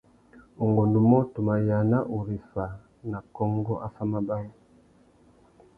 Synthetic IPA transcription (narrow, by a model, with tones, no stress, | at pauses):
u˨ŋɡɔ˨ndu˨mɔ˦tu˨ma˨ja˨na˦ʔu˨ɾi˨fa˨ | na˨kɔ˦ŋɡɔ˦ʔa˦fa˦ma˦ba˦ɾa˦